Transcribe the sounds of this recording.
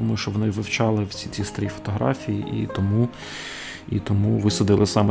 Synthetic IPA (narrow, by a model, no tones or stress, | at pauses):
ɔmʊjʃt͡ʃɔʋɔnɪʋɪwt͡ʃɑlˠɪwt͡sʲit͡sʲist̪ɐɾʲifɔ̥t̪ɔɦɾɑ̰fʲijiʔḭt̪ɔmu | it̪ɔmuʋɪsɔd̪ɪlˠɪsɑmɛ